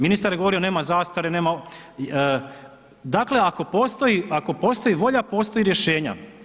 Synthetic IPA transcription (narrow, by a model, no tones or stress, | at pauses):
minist̪aɾjeɡoo̞ɾio̞ne̞ːmazaːst̪aɾene̞ːma | d̪aːkle̞ako̞po̞ːst̪o̞iako̞po̞ːst̪o̞jiʋo̞ʎapo̞ːst̪oiɾje̞ʃe̞ːɲa̰